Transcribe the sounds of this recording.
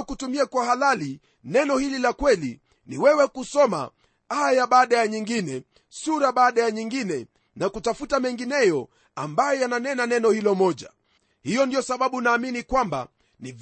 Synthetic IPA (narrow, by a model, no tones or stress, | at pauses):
kutumiakwahalali | nɛnɔhililakwɛli | niwɛwɛkusɔma̰ | ajaɓaːɗajaɲiŋɡinɛ | suɾaɓaːɗajaɲiŋɡinɛ | nakutafutamɛŋɡinɛjɔ | ambajɔjananɛnanɛnɔhilɔmɔʄa̰ | hijɔndijɔsaɓaɓunaːminikwamba̰ | niv